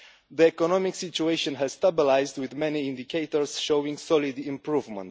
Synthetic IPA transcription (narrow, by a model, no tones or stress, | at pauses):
ðiɛkɔnɔmɪksit͡ʃueʃɔ̃nɦɛz̥st̪abilajzd̪wɪðmɛniɪ̃nd̪ikʰeɪt̪ɔɹsʃowĩŋsɔlid̪ĩmpɹuvmə̰̃nt